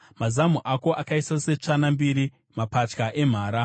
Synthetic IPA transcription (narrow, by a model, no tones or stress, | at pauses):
mazamuʔako̞ʔakaisase̞t͡ʂanambiɾi | mapat͡ʃkaʔe̞m̤aːɾa